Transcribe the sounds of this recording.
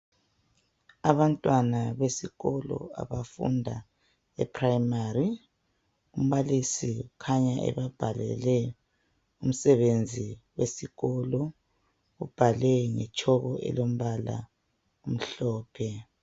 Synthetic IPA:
aβantʼwanaβesiɣɔlɔ̰a̰βafṵndʱa | ɛpʰrajimari | um̩βalisiukʰaɲaʔɛ̰βab̥ʱalɛ̰lɛ | um̩sɛβend͡zʱiwesiɣɔlɔ | ɣub̥ʱalɛŋɛt͡ʃʼʰɔɣɔʔɛ̰lom̩βala̰ | um̩ɬɔːpʰɛ

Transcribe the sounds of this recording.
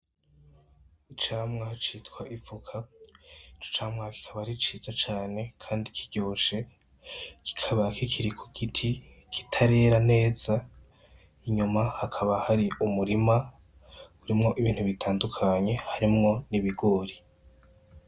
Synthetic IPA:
it͡ʃaːmŋahat͡ʃitkwaʔifukʰa | it͡ʃo̥t͡ʃaːmŋahki̥kʰaβahɾit͡ʃizat͡ʃaːne̞kʰaːndikʰiɟ̥oːʃe̞ | ki̥kʰaβakʰikʰiɾikʰuɡ̥itʰi | kʰi̥tʰaɾe̞ːɾane̞ːza | iɲumahakʰaβahaɾiʔumuɾima | uɾimŋo̞ʔiβiːn̥huβitʰaːndukʰaɲe̞haɾimŋo̞niβiɡoːɾi

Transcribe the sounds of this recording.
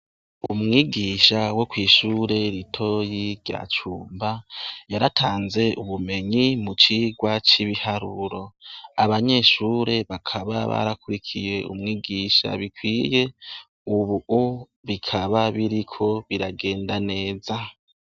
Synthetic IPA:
umŋiːɡiːʃawo̞kwiːʃuːɾe̞ɾitʰo̞jiɾɟa̰t͡ʃuːmbajaɾatʰaːnze̞ʔuβume̞ɲimut͡ʃiːɡwat͡ʃiβihaɾuɾo̞aβaɲe̞ːʃuːɾe̞βakʰaβa̰βa̰ɾakuɾikʰije̞ṵmŋiːɡiʃa̰βikwiːje̞ | uβuʔu | βikʰaβaβiɾikʰo̞βiɾaɡe̞ːndane̞ːza

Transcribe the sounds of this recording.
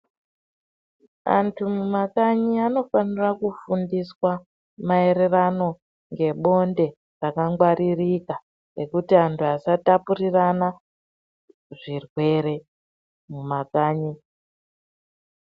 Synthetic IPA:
a̰ntʰumumakaɲiano̞fanirakufundiswa | mae̞ɾe̞rano̞ | ŋɡe̞ɓo̞nde̞ | rakaŋɡwaɾirika | re̞kutiantʰuasatapuɾirana | ʐirwe̞ɾe̞ | mumakaːɲi

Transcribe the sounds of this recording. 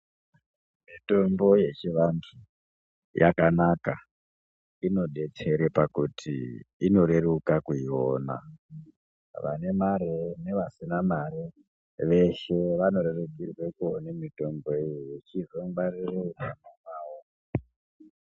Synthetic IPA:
mito̞mbo̞je̞t͡ʃiʋandʰu | jʔa̰kanaka̰ | ino̞ɗe̞t͡se̞ɾepakutʰḭino̞ɾe̞rukakuioːna̰ | ʋa̰ne̞maɾene̞ʋasinamaɾe | ʋe̞ʃe̞ʋano̞ɾeruɡʱirwekuonemito̞mbo̞ijiet͡ʃiʐomɡ͡barirounamamaːwo

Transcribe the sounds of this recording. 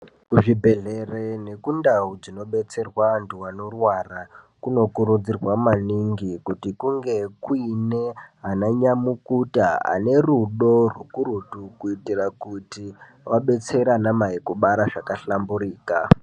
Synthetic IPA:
kuʐibʱe̞ɮe̞rene̞kundaud͡zino̞ɓe̞t͡se̞rwanduwano̞rwara | kuno̞kuɾud͡zirwamaniŋɡikutikuŋɡe̞kuineɦanaɲamukutaa̰ne̞ruɗo̞rwukuɾutukuitirakuti | waɓe̞t͡se̞ɾanamaikuɓaɾaʐakaɬamburiːka

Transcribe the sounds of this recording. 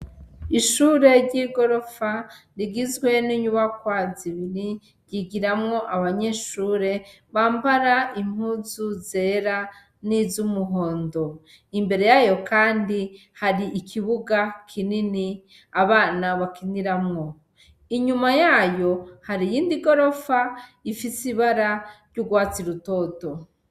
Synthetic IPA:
iʃuːɾe̞ɾɟiɡo̞ɾo̞fa | ɾiɡizɡwe̞niɲuβakwaziβiɾi | ɟiɡiɾamŋo̞ʔaβaɲe̞ʃuːɾe̞ | βaːmbaɾaim̥huzuze̞ɾa | nizumuɦo̞ːndo̞ | imbe̞ɾe̞jajo̞kaːndi | haɾiːkʰiβuɡakʰinini | aβaːnaβakiniɾamŋo̞ | iɲumajajo̞haɾijiːndiɡo̞ɾo̞faifisiβaɾaɾɟuɡwaːt͡siɾuto̞ːto̞

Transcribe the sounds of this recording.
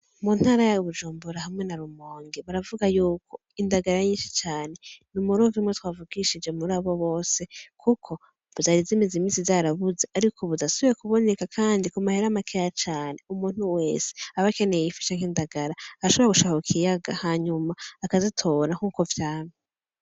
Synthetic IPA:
mun̥haɾajaβud͡ʒuːmbuɾahamŋe̞naɾumo̞ːŋɡiβaɾavuɡajuːko̞ | indaɡaɾaɲiːnʃi̥t͡ʃaːne̞numuɾovimŋetwaːvuɡiʃid͡ʒe̞muɾaːβo̞βo̞ːse̞kʰukʰo̞ | βuzaɾizimezimiːnsivzaɾaβuze̞aɾikʰo̞βudasuβiɾekuβo̞ne̞kakʰaːndikumaheɾamakʰejat͡ʃaːne̞umuːn̥uwe̞ːse̥aβake̞nejjifi̥t͡ʃaŋ̥indaɡaɾaaɾaʃo̞βoɾaɡuʃakokʰijaɡahaɲumaːkazitʰo̞ɾahuːko̞vjaːno

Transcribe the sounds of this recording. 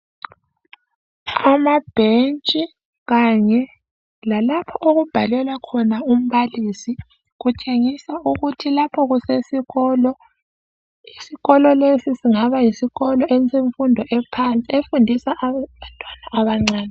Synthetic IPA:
amab̥ʱent͡ʃʼi | ɣaɲɛ | lalapʰɔʔoɣub̥ʱalɛlwakʰɔnaum̩βalisi | ɣut͡ʃʼeŋisauɣutʰilapʰɔɣusesiɣɔːlɔ | isiɣɔlɔlesisiŋaβajisiɣɔlɔʔent͡sʼiɱfundʱɔʔɛpʰant͡sʼiefundʱisaʔβantʼwanaʔːβaŋ͡ǀaːnɛ

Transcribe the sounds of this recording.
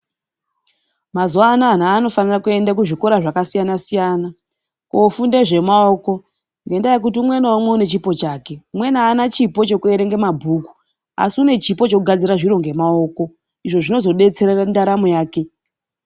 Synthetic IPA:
mazuanaːn̤aːno̞fanirakue̞ndakuʐiko̞ɾaʐakasijanasijaːna | kofunde̞ʐe̞maoːko̞ | ŋɡe̞ndajekut̬iumwe̞naomweune̞t͡ʃipo̞t͡ʃaːke̞umwe̞naːnat͡ʃipo̞t͡ʃo̞kueɾeŋɡe̞mabʱuku̥ | a̰siune̞t͡ʃipo̞t͡ʃouɡʱad͡ziɾaʐiɾo̞ŋɡe̞mao̞ːko̞ | iʐo̞ʐino̞zo̞ɗe̞t͡se̞ɾerandaɾamojaːke̞

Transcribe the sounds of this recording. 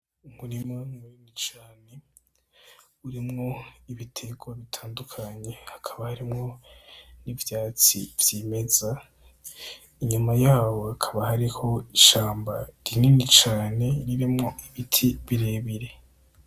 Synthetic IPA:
umuɾimaŋuninit͡ʃaːne̞ | uɾimŋo̞iβitʰeɡwaβitʰaːndukʰaɲe̞hakʰaβahaɾimŋo̞nivjaːt͡sḭvjime̞za | iɲumajaːwo̞akʰaβahaɾiho̞iʃaːmbaɾininit͡ʃaːne̞ɾiɾimŋo̞iβitʰiβiɾe̞ːβiɾe̞

